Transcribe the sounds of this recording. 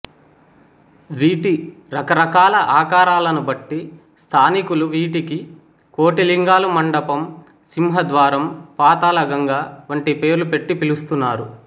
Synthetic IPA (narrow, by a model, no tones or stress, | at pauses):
ʋiːʈiɾɐkɐɾɐkaːlɐʔaːkaːɾaːlɐnubɐʈːi | st̪ʰaːnikuluʋiːʈiki | ko̞ːʈiliŋɡaːlumɐɳɖɐpɐm | simɦɐd̪ʋaːɾɐmpaːt̪aːlɐɡɐŋɡaːʋɐɳʈipe̞ːɾlupe̞ʈːipilust̪unːaːɾu